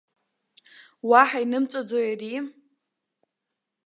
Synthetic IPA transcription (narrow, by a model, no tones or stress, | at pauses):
waħainɨmt͡sʼad͡zojari